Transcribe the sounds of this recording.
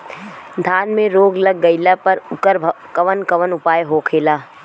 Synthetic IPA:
d̪ʱaːnmẽɾoːɡləɡːəɪlapɐɾʊkəɾ | kəʋənkəʋənʊpaːjɦoːkʰeːlaː

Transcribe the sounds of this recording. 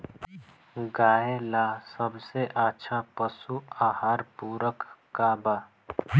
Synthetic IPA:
ɡaːelaːsəbseʔətːʃʰapəsuaːhaːɾpuːɾəkkabaː

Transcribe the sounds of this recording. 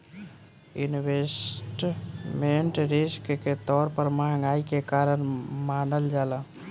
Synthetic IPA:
iniwesʈmeɳʈɾiskket̪ɔɾpəɾmãŋɡaikekaɾənmanəld͡ʒalə

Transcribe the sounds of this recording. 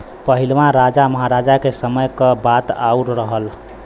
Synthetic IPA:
pəɦilʋãɾad͡ʒaməɦaɾad͡ʒakesəməjkəbat̪auɾɾəɦəl

